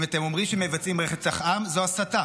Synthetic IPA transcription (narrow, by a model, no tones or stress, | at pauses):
veat̪emo̞mʁimʃemevat͡simʁeχet͡saχʔamzoasata